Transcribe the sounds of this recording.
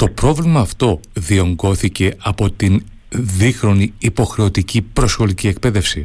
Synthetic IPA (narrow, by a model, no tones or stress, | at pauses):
t̪o̞pɾo̞vlimɐːft̪o̞ðio̞ŋɡo̞θice̞ɐpo̞t̪in | ðixɾo̞niːpo̞xɾe̞o̞t̪icipɾo̞sɣo̞licie̞k̚pe̞ðe̞fsi